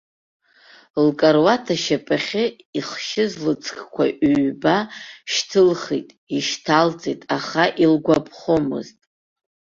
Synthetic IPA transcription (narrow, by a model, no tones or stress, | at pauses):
lkʼarwatʰaʃapʼaχʲɪ | iχʃɪzlɨt͡sʰʼkʰʼkʷʰaʔɥbaʃtʰɨlχijtʼiʃtʰalt͡sʼejtʼaχaʔilɡʷapʰχomɨ̰ztʼ